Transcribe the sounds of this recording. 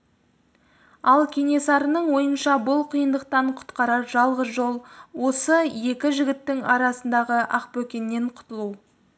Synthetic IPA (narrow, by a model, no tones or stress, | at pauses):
ɑlˠkʲʰe̞ne̞sɑɾənəɴwo̞jənʃɑbʊlˠqʰijənd̪əq̚t̪ɑɴqʰʊ̥t̪qɑɾɑʒɑlˠʁəzʒo̞lˠwo̞səje̞kʲɪʒɪɡʲɪt̪ːɪŋɑɾɑsənd̪ɑʁəʔɑq̚pɵkʲe̞nːe̞ɴqʰʊ̥t̪əlˠu